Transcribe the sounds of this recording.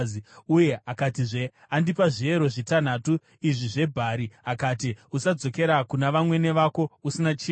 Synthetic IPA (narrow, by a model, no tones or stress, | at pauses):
uje̞ʔakatiʐe̞ | andipaʐie̞ɾo̞ʐitan̤atu | iʐiʐe̞bʱaɾiakatiusad͡zo̞ke̞ɾakunaʋamwe̞ne̞ʋako̞usinat͡ʃi